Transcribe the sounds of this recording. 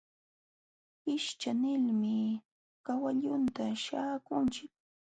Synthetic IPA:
ɪʃt͡ʃanɪlmɪ | kawaʎʊnt̪aʃaːkʊnt͡ʃɪk̚

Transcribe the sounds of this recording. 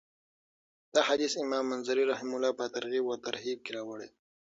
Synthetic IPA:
d̪̥ahad̪isɪmɑmːanzaɾiɾahɪmʊlɑpət̪aɾɣibwət̪aɾɦib̚keɾɑwəɽe

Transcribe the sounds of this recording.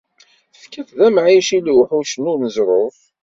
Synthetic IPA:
θəfkːæθðæmʕiʃilwħuʃənʊɾməzɾˤof

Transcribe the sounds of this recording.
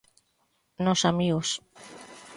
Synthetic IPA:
nosamiɣos

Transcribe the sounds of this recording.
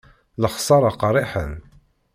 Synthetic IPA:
ləχsˤɑɾˤɑqɾˤiħə̰n

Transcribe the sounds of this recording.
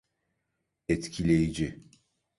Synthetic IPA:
ɛt̪cʰilʲejid͡ʒi

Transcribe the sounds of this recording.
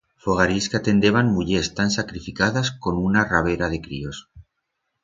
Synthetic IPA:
foɣ̞aɾiskeat̪e̞nd̪e̞βanmuʎest̪ansakɾifikaðasko̞nunaraβ̞e̞ɾað̞e̞kɾḭo̞s

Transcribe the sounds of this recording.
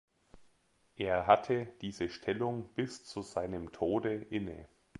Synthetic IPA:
ʔeːɐɦatʰəd̥iːzəʃtʰɛlʊŋb̥ɪst͡suzaɪnəmtʰoːdəʔɪnə̰

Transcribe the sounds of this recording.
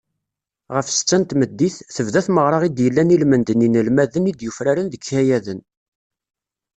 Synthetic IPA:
ʁəfsə̥t͡sːænt̪məd̪ːiθθəvðæθməʁɾˤɑʁid̪jəlːænilmənd̪əninəlmæðənid̪jufɾaɾənðəkːæjæðən

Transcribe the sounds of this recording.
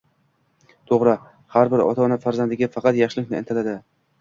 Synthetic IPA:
t̪ʰoʁɾa | haɾbɪɾɒ̰t̪ʰaɒnafaɾzand̪ɪɡʲafɑqɑt̪jɑχʃɪlɪkʲnɪḛnt̪ʰlad̪ɪ

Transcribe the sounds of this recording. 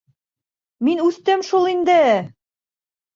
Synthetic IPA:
minʉθt̪ɘmʃulˠind̪ɘæ

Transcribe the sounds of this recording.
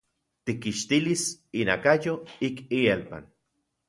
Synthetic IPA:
t̪ikːiʃt̪ilisinakajoikielpa̰n

